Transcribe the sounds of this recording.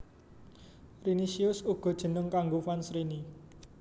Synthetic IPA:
rinisiʊsuɡ̥ɔ̤d̥ʒ̥ə̤nəŋkaŋɡofansɾini

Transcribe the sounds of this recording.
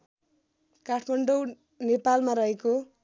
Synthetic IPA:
kaʈʰmʌɳɖow | nepalmaɾʌɦeko

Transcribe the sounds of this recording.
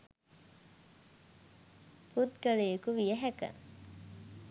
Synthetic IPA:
put̪kəlejekuʋijəɦækə̰

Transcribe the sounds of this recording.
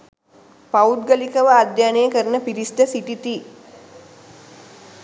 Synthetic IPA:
paud̪̚ɡəlikəʋəad̪jaːnejəkəɾənəpiɾisʈəsiʈit̪i

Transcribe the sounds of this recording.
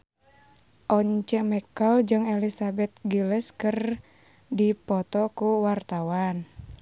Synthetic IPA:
ʔɔɲt͡ʃɛmɛkald͡ʒɨŋelisabɛt̪̚ɡilɛskɨr | dipɔt̪ɔkuwart̪awan

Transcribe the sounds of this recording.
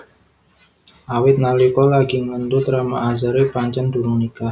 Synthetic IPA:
ʔawɪt̪̚nalikɔlaɡiŋənd̪ut̪ɾama̰ʔazaɾepaɲt͡ʃanduɾuŋnika

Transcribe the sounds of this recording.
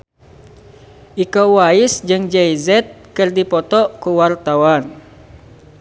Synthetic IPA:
ʔikowaɪsd͡ʒɨŋd͡ʒɛizɛt̪̚kɨrdipɔt̪ɔkuwart̪awan

